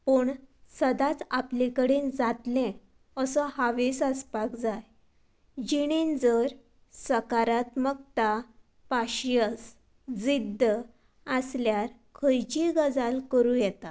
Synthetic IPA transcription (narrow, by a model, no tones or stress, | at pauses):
pəɳsəd̪at͡saplikəɽind͡zat̪lɛ̃ | əsɔhaʋesəspakd͡zaj | d͡ʑiɽ̃ind͡zəɾ | səkaɾat̪mək̚t̪a | paɕjəs | d͡zid̪ʱə | əsljaɾkʰəjt͡ɕiɡəd͡zalkəɾũjɛt̪a